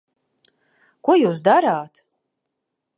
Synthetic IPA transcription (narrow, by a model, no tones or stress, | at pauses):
kuɔjuːs̬d̪aɾaːt̪